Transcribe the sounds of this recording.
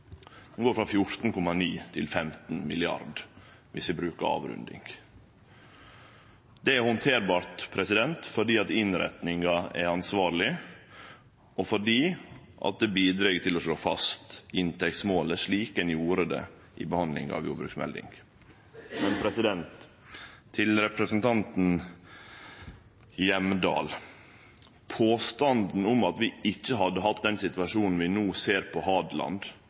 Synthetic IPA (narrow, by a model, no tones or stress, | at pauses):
ɛnɡoːɾfɾɑfjʊɾt̪n̩kʰɔmɑniːt̪ʰɪlfɛmt̪nmɪlɪɑ̰ɾɖ | ʋɪsʋɪbɾʉːkəɾɑ̰ːʋɾʉ̰nd̪ɪ̰ŋ | d̪ɛæɾhɔnt̪ʰeːɾbɑːɾt̪pʰɾɛsɪd̪ɛnt̪fɔɖiːɑt̪ɪnɾɛ̰t̪nɪŋɑɛɾɑnsʋɑːɾɭɪ | ɔfɔɖiːʔɑ̰t̪̚d̪ɛbiːd̪ɾɛɡt̪ʰɪlɔʂɭoːfɑ̰st̪ɪnt̪ɛk̚t̪smoːləʂɭiːkɛnjuːɾəd̪ɛ̰ | ʔɪ̰bəhɑnd̪lɪ̰ŋɑ̰ʋjṵːɾbɾʉ̰ːksmɛ̰ld̪ɪ̰ŋɡ | mɛnpʰɾɛsɪd̪ɛnt̪ʰː | ɪlɾɛpɾɛsənt̪ʰɑnt̪n̩ | jɛmd̪ɑ̰ːl | pʰoːst̪ɑnd̪n̩ʊmɑt̪ʋɪɪçːəɦɑd̪ːəɦɑt̪̚d̪ɛnsɪt̪ʋɑʂuːnn̩ʋɪnuːseːɾpʰɔhɑːd̪lɑ̰nd̪